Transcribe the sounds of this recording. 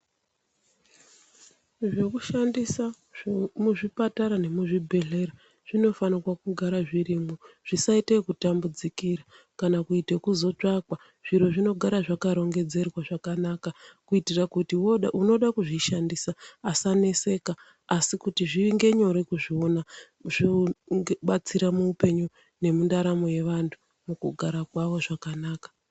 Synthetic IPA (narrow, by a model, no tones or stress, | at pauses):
ʐe̞kuʃandisa | muʐipataɾane̞muʐibʱe̞ɮe̞ɾa | ʐ̥ino̞fanikwakuɡʱaɾaʐiɾimoʐ̥isaitekutambud͡zikiɾa | kanakuitekuzo̞t͡ʂakwa | ʐ̥iɾo̞ʐino̞ɡʱaɾaʐakaɾo̞ŋɡe̞d͡ze̞rwaʐakanakakuitirakutiwʔuno̞ɗakuʐiʃandisaːsanese̞kaː | sikutiʐiŋɡe̞ɲo̞ɾekuʐiona | ʐi | ɓat͡siɾamuːpe̞ɲu | ne̞mundaɾamoje̞ʋantʰu̥ | mukuɡʱaɾakwaʋo̞ʐakanaːkḁ